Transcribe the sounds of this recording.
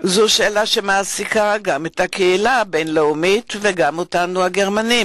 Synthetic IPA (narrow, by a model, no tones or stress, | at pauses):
zoʃeːlaʃe̞maːsikaɡamethakeilabejnleumitveɡamotanuaɡe̞ʁmanim